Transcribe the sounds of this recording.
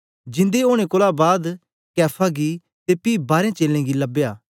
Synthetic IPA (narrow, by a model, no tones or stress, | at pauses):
d͡ʒɪ̃nd̪eoːɽ̃ẽkoːlaːbaːd̪ | kɛːpʰaɡiː | t̪epiːbaːɾẽːt͡ʃeːlẽːɡiləbejaː